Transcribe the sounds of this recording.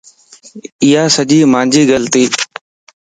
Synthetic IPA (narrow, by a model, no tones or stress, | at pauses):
ɪːaːsəʄiːmãːnd͡ʒiːɡəlt̪iː